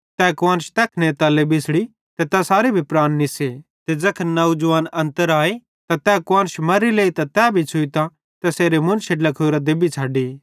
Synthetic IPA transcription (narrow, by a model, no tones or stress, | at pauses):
t̪ɛːkʋaːnʃt̪ɛːkʰnet̪aːlebɪsɽi | t̪ɛt̪asaːɾebʱipɾaːnːɪse | t̪ed͡ʒɐkʰnɐud͡ʒʊʋaːnɐ̃nt̪əɾaːe | t̪ãt̪ɛkwaːnʃmɐɾileːit̪ãt̪ɛːbʱit͡ʃʰʊit̪ã | t̪ɛseːɾemʊ̃nseʈlɐkʰoːɾad̪ebit͡ʃʰaːɖiː